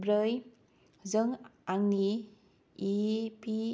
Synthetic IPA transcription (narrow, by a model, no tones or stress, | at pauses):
bɾəj | zəŋaŋniː | pi